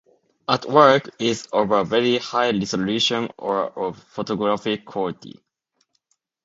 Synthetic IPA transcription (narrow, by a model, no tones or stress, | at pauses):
ətwɜ˞kɪzɔvəvɛɹihaɪdɪsəlʉʃə̃nəɹəvfotɔɡɹafɪkʰwɔltḭ